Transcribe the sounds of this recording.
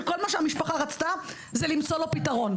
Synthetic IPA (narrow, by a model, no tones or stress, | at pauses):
ko̞lmaʃeamiʃpaχaʁat͡st̪a | zelimt͡so̞lo̞pitaʁo̞n